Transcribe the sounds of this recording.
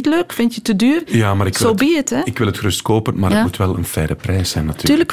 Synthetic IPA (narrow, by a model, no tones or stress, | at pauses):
tløːkfɪntjətədyːrjaːmaːɾɪkkʋzɪobiətɛɪkʋɪlˠətxərʏstkoːpənmaːrəmutʋɛlˠə̰nfɛːdəprɛjsɛjnːatʰyːtyːlək